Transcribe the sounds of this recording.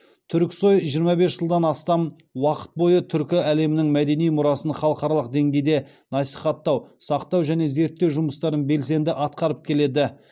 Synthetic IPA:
t̪ʰʏɾkʲso̞jʒijəɾmɑbe̞sʒ̥əlˠd̪ɑnɑst̪ɑm | wɑqə̥t̪̚bo̞jət̪ʰʏɾkʲɪæle̞mɪnɪŋmæd̪e̞nijmʊɾɑsənχɑlˠəqɑɾɑlˠəq̚d̪e̞ŋɡʲe̞jd̪e̞ | nɑsiχɑt̪ːɑwsɑqt̪ɑwʒæne̞ze̞ɾt̪ːe̞wʒʊməst̪ɑɾənbe̞ls̬e̞nd̪ɪʔɑt̪qɑɾəp̚kʲʰe̞le̞d̪ɪ

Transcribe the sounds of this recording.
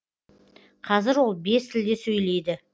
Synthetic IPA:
qʰɑzɪɾwo̞lˠbe̞st̪ʰɪld̪e̞sɵjle̞jd̪ɪ

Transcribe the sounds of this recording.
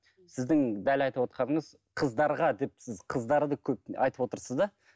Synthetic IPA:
sɪzd̪ɪŋd̪ælɑjt̪əpwo̞t̪qɑnəɴəz | qʰəzd̪ɑɾʁɑd̪e̞p̚sɪzqʰəzd̪ɑɾd̪əkʲʰɵp̚ɑ̰jt̪əpwo̞t̪əɾsəzd̪ɑ

